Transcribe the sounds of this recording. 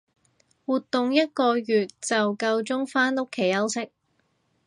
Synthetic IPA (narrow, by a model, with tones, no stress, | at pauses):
wuː˨t̪ːʊ˨ŋjɐ˥t̚kɔː˧jyː˨t̚t͡sɐ˨wkɐ˧wt͡sʊ˥ŋfaː˥nlʊ˥kʰe˨˩jɐ˥wsɪ˥k̚